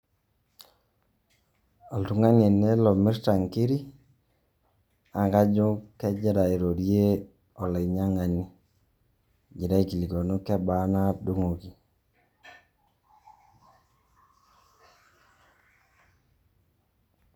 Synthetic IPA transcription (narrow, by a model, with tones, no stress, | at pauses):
a˨ltu˨ŋa˦ne˨ne˦lɔ˨mɪ˦ɾta˨ŋki˦ɾi˦ | a˨ŋɡa˦d͡ʒʊ˦kɛ˦d͡ʒɛ˦ɾa˨i˨ɾo˨ɾje˦ | ɔ˨le˨ɲa˦ŋa˨ni˦ | d͡ʒi˨ɾa˦i˦ki˨li˨ko˨nu˦kɛ˦ba˦na˦do˦ŋo˨ki˨